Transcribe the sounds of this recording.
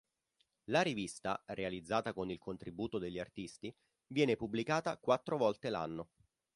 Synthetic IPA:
laɾivist̪a̰ɾealid̪zːaːt̪akonilkʰont̪ɾibuːt̪od̪eʎːiart̪ist̪i | vjɛːnepubːlikaːt̪akwat̪ːɾovɔlt̪ela̰nːo

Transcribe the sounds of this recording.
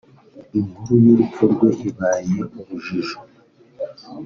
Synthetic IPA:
im̥huɾuniɾukoɾɡweʔiβaːjeʔuβuʒiʒo

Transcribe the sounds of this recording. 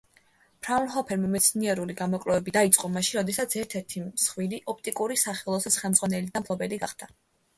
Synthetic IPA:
pʰɾalˠɦɔpʰɛɾmamɛt̪sʰniɛɾuliɡamɔkʼlɛvɛbid̪ait̪sʼqʼɔmaʃiɾɔd̪ɛsat̪sʰɛɾt̪ʰɛɾt̪ʰisχwiliʔɔp̚ʰt̪ʼikʼuɾisaχɛlˠɔsɛsχɛlˠmd̪zʁwanɛlid̪ampʰlˠɔbɛliɡaχd̪̥a

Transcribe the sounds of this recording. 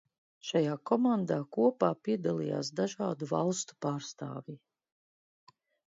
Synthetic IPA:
ʃajaːkɔmand̪aːkuɔpaːpiɛd̪alˠija̰ːsd̪aʒaːd̪uvalˠst̪u̥paːɾst̪a̰ːvi

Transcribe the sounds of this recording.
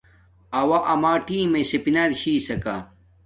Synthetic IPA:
ɐwaʔɐmaːʈiːmesepinɐdɕiːsɐka

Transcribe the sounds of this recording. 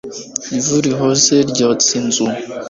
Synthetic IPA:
ivuɾiɦozeɾɟat͡sinzu

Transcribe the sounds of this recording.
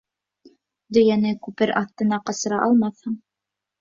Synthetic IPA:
d̪ɵ̆jænɘkʉpɘɾʔɑθt̪ɤ̆nɑqɑsɤ̆ɾɑʔɑlˠmɑθhɤɴ

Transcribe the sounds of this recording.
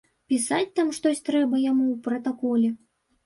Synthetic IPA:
pʲisat͡sʲt̪amʂt̪ɔsʲt̪ɾɛbɐjamuwpɾɐt̪akɔlʲɛ

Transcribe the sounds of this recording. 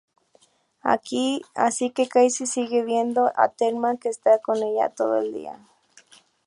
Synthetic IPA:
a̰kia̰sikekajsisiɣeβjend̪oʔa̰t̪eɾmakeːst̪akoneʎa̰t̪oðoeld̪ḭa̰

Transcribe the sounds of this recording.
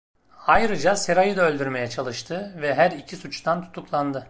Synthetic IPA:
ajɾɯd͡ʒaseɾajɯd̪aølʲd̪yɾme̞jɛt͡ʃʰalˠɯʃt̪ʰɯvɛɦæɾicʰisut͡ʃt̪ʰant̪ʰu̥t̪ʰuklˠand̪ɯ

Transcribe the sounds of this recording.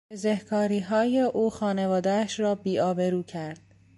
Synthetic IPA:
ezehkʰɒːɾiːɦɒːjeʔuːxɒːne̞vɒːd̪ææʃɾɒːbiːɒːbeɾuːcʰæɾd̪̥̚

